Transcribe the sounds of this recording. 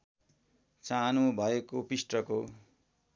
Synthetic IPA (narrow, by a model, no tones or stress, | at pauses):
t͡sanobʱʌekopisʈrʌko